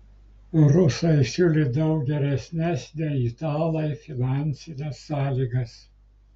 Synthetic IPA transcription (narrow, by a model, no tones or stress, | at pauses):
ɾʊsɐɪsʲʊlʲɪd̪ɐʊk̚ɡʲɛɾʲɛsʲnʲɛsnʲɛit̪ɑːlˠɐɪfʲɪnɑˑnʲsʲɪnʲɛsːɑːlʲiːɡɐs